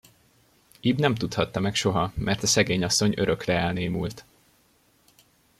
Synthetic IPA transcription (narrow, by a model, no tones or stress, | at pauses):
iːbnɛmt̪ut̪hɒt̪ːɒmɛkʃo̞ɦɒmɛrt̪ɒsɛɡeːɲɒsːo̞ɲø̞̰ɾø̞krɛɛlneːmult̪